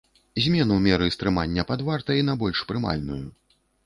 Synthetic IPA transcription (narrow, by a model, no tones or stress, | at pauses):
zʲmʲɛnumʲɛɾɨst̪ɾɨma̰nʲːɐpad̪vart̪ɐinɐbɔlʲʂpɾɨma̰lʲnuju